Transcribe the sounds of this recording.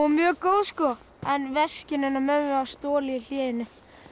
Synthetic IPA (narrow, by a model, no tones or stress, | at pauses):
ɔmjœːkoːwðskɔː | ɛnvɛscɪnɪnːamɛʏawst̪oːlɪjɪl̥jɛːjɪnːʏ